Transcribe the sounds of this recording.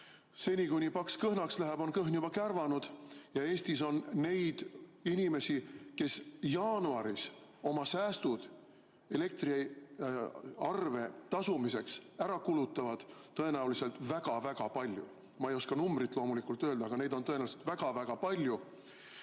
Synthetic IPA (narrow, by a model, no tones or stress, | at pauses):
se̞nʲikunʲipɑkskɤhnɑkslæɦæb̥o̞nkɤɦnjub̥ɑkærvɑnud̪̥jɑe̞ːsʲt̪iso̞nːe̞jd̪̥inʲime̞sike̞sjɑːnuɑɾiso̞mɑsæːst̪ud̪̥ | e̞le̞k̚t̪ri | ɑrve̞t̪ɑsumise̞ksæɾɑkulut̪ːˑɑvɑd̪̥t̪ːɤ̞e̞næulise̞lt̪væɡ̥ɑvæɡ̥ɑpɑlʲjṵ | mɑejo̞skɑnumbrit̪lo̞ːmulikˑult̪ːˑø̞ːld̪ɑːɡ̥ɑne̞jd̪o̞nt̪ɤ̞enæulise̥t̪væɡ̥ɑvæɡ̥ɑpɑlʲju